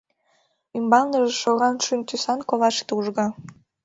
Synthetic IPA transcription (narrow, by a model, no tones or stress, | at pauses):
ymbɑlˠnəʒeʃoɣɑnʃynt̪ysɑnkoβɑʃt̪uʒɣɑ